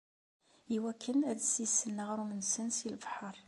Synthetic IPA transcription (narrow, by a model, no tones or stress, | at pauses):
iwækʰːənædəsisənːəʁɾumənsənsilbħəɾˤ